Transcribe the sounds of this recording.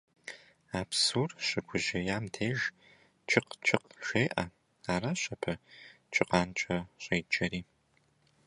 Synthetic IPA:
aːpsuːrɕʼɪɡʷʊʑɐjaːmtʰeːʒ | t͡ʃʰɪqt͡ʃʰɪqʃʷeːʔɐ̰ | aːɾaːɕʼɐpʰɐ | t͡ʃʰʼɪqɑːnt͡ʃʼɐɕʼeːt͡ʃʼɐɾiː

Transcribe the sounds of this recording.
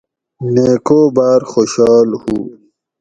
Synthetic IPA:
neːkoːbaːɾxoːɕɑːlhu

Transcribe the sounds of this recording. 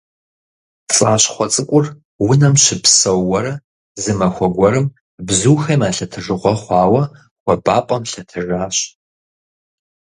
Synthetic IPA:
t͡sʼaːɕχʷɔt͡sʼɨkʷʼʊr | wʊnɐmɕɪpsɐwːɐɾɐ | zɨmɐxʷɔɡʷɔɾɨm | bzuːxɐjmaːɬɐtʰɨʐɨʁʷɔχʷɑːwɐ | wʷɔbaːpʼɐmɬɐtʰɨraːɕ

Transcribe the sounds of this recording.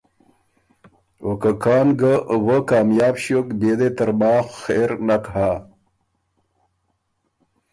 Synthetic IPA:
okəkaːnɡəwəkaːmjaːbɕokbed̪et̪əɾbaːxxeɾnakɦa

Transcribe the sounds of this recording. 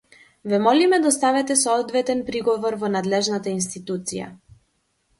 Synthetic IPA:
vɛmɔlimɛd̪ast̪avɛt̪ɛsɔɔd̪vɛt̪ɛnpɾiɡɔvɔɾvɔnad̪lɛʒnat̪ainst̪it̪ut̪sija̰

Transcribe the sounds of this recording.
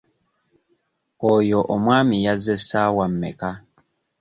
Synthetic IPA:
ojoʔomwaːmijazesawam̩ːeka

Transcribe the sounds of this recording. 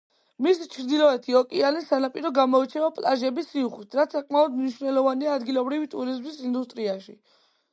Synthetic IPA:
misit͡ʃʰɾd̪ilɔɛt̪ʰiɔkʼialisanapʼiɾɔɡamɔit͡ʃʰɛvapʼlaʒɛbisiuχlit̪ʰɾat̪ssakʼmaɔd̪mniʃwnɛlɔvaniaːd̪ɡilɔbɾivit̪ʼuɾizmisind̪ust̪ʼɾiaʃḭ

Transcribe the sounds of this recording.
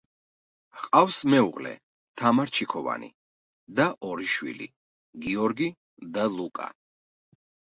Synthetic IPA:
qʼafsmɛṵʁlɛ̰ | t̪ʰamaɾt͡ʃʰikʰɔva̰nḭ | d̪aʔɔɾiʃwḭlḭ | ɡiɔɾɡi | d̪alˠukʼa̰

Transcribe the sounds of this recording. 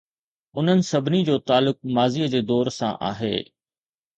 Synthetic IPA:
ʊn̤ənɪ̆sɐbʱɪnid͡ʑoːt̪aːlːʊk̚maːziːəd͡ʑeːd̪ɔːɾsã̰ʔa̰ːɦḛː

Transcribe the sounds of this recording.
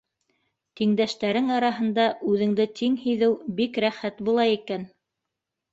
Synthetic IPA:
t̪iŋd̪æʃt̪æɾɘŋɑɾɑɦɤ̆nd̪ɑʔʉðɘ̆ŋd̪ɘt̪iŋhijðɘwbikɾæχæt̪bulˠɑikæn

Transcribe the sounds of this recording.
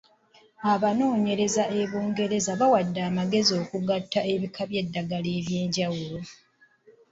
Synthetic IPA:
aβano̞ːɲe̞ɾe̞zaʔe̞βoːŋɡe̞ɾe̞zaβawadːaːmaɡe̞zio̞ːkuɡatːae̞βikʰaβje̞dːaɡale̞ːβje̞ːɲɟawulo̞

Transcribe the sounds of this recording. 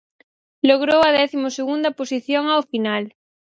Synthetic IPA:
loɣ̞ɾowaðɛθimoseɣund̪aposiθjoŋaofinal

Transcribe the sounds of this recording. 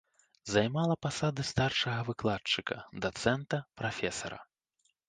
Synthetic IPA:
zajmalˠɐpasad̪ɨst̪arʂɐɣɐvɨklˠatt͡ʂɨkɐd̪at̪sɛnt̪ɐpɾafʲɛsɐ̰ɾɐ̰

